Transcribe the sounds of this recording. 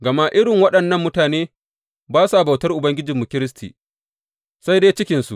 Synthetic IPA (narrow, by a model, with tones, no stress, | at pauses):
ɡɐ˨ma˦ʔɪ˦ɽɪ˨ŋwɐ˦ɗɐ˨nːɐ˦mːʊ˦taː˨neː˦ | baː˦su˨ʔa˨ba˨wtɐ˦rʔʊ˨bɐ˦ŋɡʲɪ˦d͡ʒɪ˨mːʊ˨kʲɪ˦ɾɪ˦s̬tʰiː˨ | sa˦jdeː˦t͡ʃɪ˦kʲɪ˨nsṵ˨ʔ